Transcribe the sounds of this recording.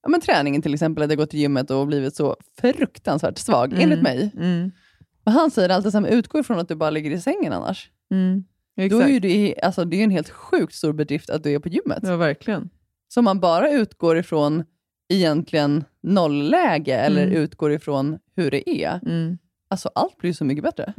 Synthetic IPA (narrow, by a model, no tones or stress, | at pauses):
jɑ̰ːmɛnt̪ʰɾɛːnɪŋənt̪ʰɪlɛksɛmpəlad̪aɡɔt̪ːɪljʏmːət̪ɔbliːvɪt̪sɔfɾɵkt̪ansvæ̰ːʈsvɑ̰ːɡeːnlɪt̪mɛj | mɛnɦansɛjːəɾalt̪ɛsɛmnʉ̟ːt̪̚ɡ̥oːɾɪfɾɔnat̪̚d̪ɵbɑːɾalɪɡːəɾɪsɛŋːəna̰nːʔa̰ʂ | ɛd̪ɔæɾjɵd̪ɛa̰lsɔd̪ɛːjɵɛnɦeːlt̪ɧʉ̟ːk̚t̪st̪uːɾbɛd̪ɾɪft̪ʰat̪̚d̪ɵæɾpʰɔjʏmːə̰t̪ːvæɾklɪən | sɔɔmːanbɑːɾaʉ̟ːt̪ɡoːɾɪfɾɔn | ɛjɛnt̪ʰlɪɡənː | ɔlːɛːɡəɛlːəɾʉ̟ːt̪ɡoːɾɪfɾɔnhɵɖɛ̰ʔæ̰ | alsɔʔalt̪̚blɪɾjsɔmʏkːəbɛt̪ːɾə̰